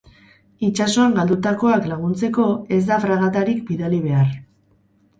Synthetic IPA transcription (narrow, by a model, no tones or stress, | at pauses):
it͡ʃaso̞aŋɡald̪ut̪ako̞aklaɣ̞unt͡se̞ko̞e̞zd̪afɾaɣ̞at̪aɾikbiðaliβ̞e̞ar